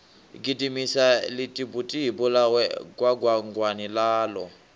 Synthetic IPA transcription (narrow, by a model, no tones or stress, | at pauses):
ɡidimisalitʼibutʼiɦibulawɛkʼwaɡwaŋɡwanilaːlɔ